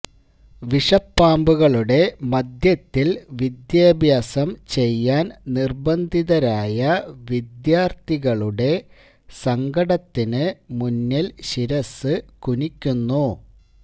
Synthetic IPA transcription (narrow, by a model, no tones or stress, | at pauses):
ʋiʂɐpːaːmbuɣɐɭuɽe̞mɐd̪jɐt̪ːilʋid̪jaːbʱjaːsɐmt͡ɕe̞jːaːnnirbɐnd̪ʱiðɐɾaːjɐʋid̪jaːrt̪iɣɐɭuɽe̞ | sɐŋɡɐɽɐt̪ːinɨmunːɐlɕiɾɐsːɨkunikʲːunːu